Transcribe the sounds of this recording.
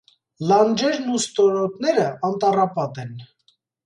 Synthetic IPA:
lɑnd͡ʒɛɾnust̪ɔɾɔt̪nɛɾəɑnt̪ɑrɑpɑt̪ɛn

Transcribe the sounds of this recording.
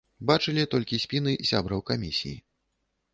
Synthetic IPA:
bat͡ʂɨlʲit̪ɔlʲkʲisʲpʲinɨsʲabɾɐwkamʲisʲḭjḭ

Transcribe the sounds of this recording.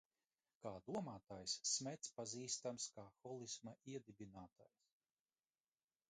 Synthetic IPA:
kaːd̪uɔmaːt̪aːjsːmʲɛt̪spaziːst̪amskaːxɔlˠismaiɛd̪ibʲinaːt̪ajs

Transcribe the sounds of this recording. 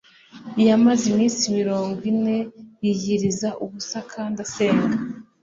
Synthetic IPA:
jamazimiːnsimiɾo̞ːŋɡwine̞jijiɾizaʔuβusakʰandaseːŋɡa

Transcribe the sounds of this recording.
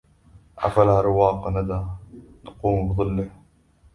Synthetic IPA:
ʔa̰falaːɾɪwɑːqnad̪anɑquːmbɨðˤɨlːɪh

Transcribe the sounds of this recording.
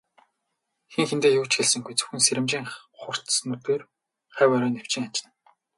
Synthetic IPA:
xeŋxent̪eːjuːt͡ɕxeɮsɘ̆ŋɡujt͡sɵ̥xɘ̆nseɾʲɪ̆mt͡ɕiːŋχʊr̥t̪snɵt̪eːr | χæːwɔɾʲɔːnew̥t͡ɕɪ̆ŋḁt͡ɕɪ̆n

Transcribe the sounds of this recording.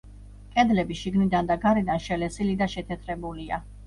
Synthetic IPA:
kʼɛd̪lɛbiʃiɡnid̪and̪aɡaɾɛd̪anʃɛlɛsilid̪aʃɛt̪ʰɛt̪ʰɾɛbulia̰

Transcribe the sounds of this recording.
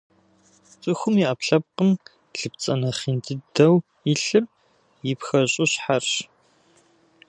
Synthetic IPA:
t͡sʼɨxʷʊmiapɬɐp̚qəm | ɮɨpt͡sʼɐnɐχiːndʰɨdɐw | iɬɨr | jɪpxɐɕʼʊɕħarɕ

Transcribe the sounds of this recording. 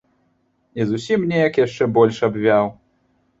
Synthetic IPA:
izusʲimnʲejɐkjaʂt͡ʂɛbɔlʲʂabvʲaw

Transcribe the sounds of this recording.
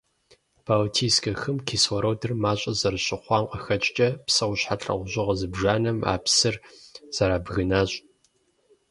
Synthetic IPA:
b̥awtʰiːskʰɐxɨmkʰiːswɔɾɐwdɨrmaːɕʼɐzɐrɨɕʼɪχʷɑːmqʼəxɐt͡ʃʼt͡ʃʼɐpsɐwɕħaɬʼɐ̰ʁʷʊʑɪʁɐzɨbʒaːnɐma̰ːpsɨrz̥ɐɾaːbɣɨnaːɕʼ

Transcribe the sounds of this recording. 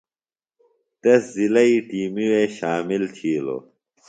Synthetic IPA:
t̪eszilɐiʈiːmiweːɕaːmilt̪ʰiːlo̰

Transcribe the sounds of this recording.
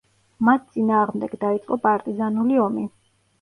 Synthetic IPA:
mat̪t̪sʼinaːʁmd̪ɛɡd̪ait̪sʼqʼɔpʼaɾt̪ʼizanuliɔmi

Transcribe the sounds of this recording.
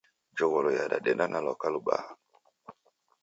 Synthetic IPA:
d͡ʒɔɣɔlɔjaɗa̰ɗɛnanʔalɔkaluɓa̰

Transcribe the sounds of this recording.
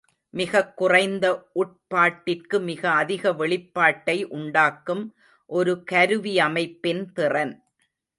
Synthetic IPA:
mɪɣɐkːʊrɐɪnd̪ɐʔʊʈ̚paːʈːɪrkɯmɪɣɐːðɪɣɐʋɛɭɪpːaːʈːɐɪʔʊɳɖaːkːɯm | ʔɔɾɯkɐɾɯʋijɐmɐɪpːɪnt̪ɪrɐn

